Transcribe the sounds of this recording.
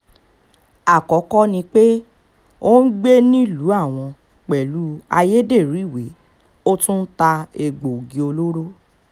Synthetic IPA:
a˦˨kɔ˨˦kɔ˦nĩ˧k͡pe˦ | o˦n̩˦ɡ͡be˦nĩ˦˨lu˨˦a˦˨w̃ɔ̃˧ | k͡pɛ˨lu˨˦a˧je˦de˦˨ɾi˨˦˨we˨˦ | o˦tũ˦n̩˦ta˧e˧˨ɡ͡bo˨ɡĩ˨o˧lo˦ɾo˦

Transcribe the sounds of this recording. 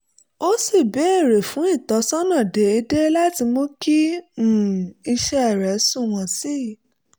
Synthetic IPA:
o˦si˦˨bɛ˨˦e˦˨ɾe˨fũ˨˦i˦˨tɔ˨˧˦sɔ˦nã˦˨de˨˦e˧de˦la˦ti˧mõ˦kĩ˦˨ | i˧ʃɛ˧ɛ˦˨ɾɛ˨˦sũ˦˨w̃ɔ̃˨si˦˨

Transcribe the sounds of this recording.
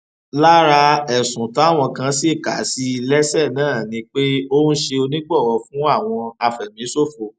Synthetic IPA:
la˦ɾa˧ɛ˨sũ˨ta˨˦˨w̃ɔ̃˧kã˧se˦˨ka˨˦si˦˧lɛ˦sɛ˦˨nãː˦˨nĩ˨˧˦k͡pe˦o˦nũ˦ʃe˧o˧nĩ˦ɡ͡bɔ˦˨wɔ˧fũ˦a˦˨w̃ɔ̃˧a˧fɛ˨mĩ˨˦so˦˨fo˨˧

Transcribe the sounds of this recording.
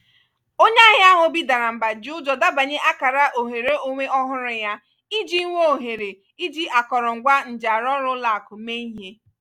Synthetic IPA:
o˦ɲa˦ɦɪ˦a˦ɦʊ˨bi˦da˨ɾa˨m̩˨ba˨d͡ʒu˦d͡ʒɔ˨da˦ba˨ɲe˦ʔa˦ka˨ɾa˦ʔo˨ɦe˨ɾe˦o˦ŋʷe˦ʔɔ˦ɦʊ˦ɾʊ˨ja˦ | i˦d͡ʒi˦ŋʷo˦˨ɦe˨ɾe˨ | i˦d͡ʒi˦ʔa˨kɔ˨ɾɔ˨ŋ̩˨ɡʷa˦n̩˨d͡ʒa˨ɾɔ˦ɾʊ˦la˨kʊ˨me˦i˦ɦe˦

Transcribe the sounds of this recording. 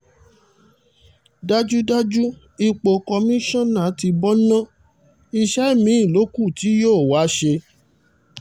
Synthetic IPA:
da˦d͡ʒu˦da˦d͡ʒu˦ | i˧k͡po˨kɔ˧mĩ˦ʃɔ̃˦nã˨˦ti˧bɔ˦nã˦ | i˧ʃɛ˦i˦˨mĩ˦i˦˨lo˨˦ku˦˨ti˨˦joː˦˨wa˨˦ʃe˧

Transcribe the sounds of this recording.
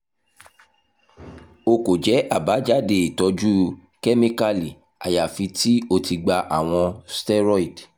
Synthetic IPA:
o˧ko˨d͡ʒɛ˨˦ʔa˦˨ba˨˦d͡ʒa˦de˦˨i˨tɔ˨˧d͡ʒu˦ | kɛ˦mĩ˦ka˦li˨ | a̰˨ja˨fi˧ti˦o˧ti˧ɡ͡ba˧ʔa˨w̃ɔ̃˧stɛ˦ɾɔ˦i˨d

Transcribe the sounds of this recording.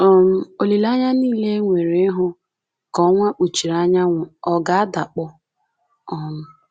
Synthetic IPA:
ɔ˨m̩˦o˨li˨la˦ɲa˦niː˦˨le˦ŋʷe˨ɾe˦ɦʊ˦ | kɔ˨˦ŋʷa˦k͡pu˨t͡ʃi˨ɾa˦ɲa˦ŋʷʊ˨ɔ˨ɡa˦a˦da˨k͡pʊ˦ | ɔ˨m̩˨

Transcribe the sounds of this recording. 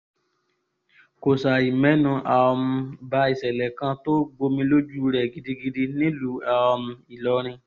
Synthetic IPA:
ko˨sa˨i˨mɛ̃˨˦nũ˧ʔa˨˧m̩˧ba˧˦i˨sɛ˨lɛ˨kã˧˦to˦ɡ͡bo˧mĩ˧lo˦d͡ʒu˦ɾɛ˨ɡi˧di˧ɡi˧di˧nĩ˦lu˨˦a˨˧m̩˧i˨lɔ˧˦ɾ̃ĩ˧

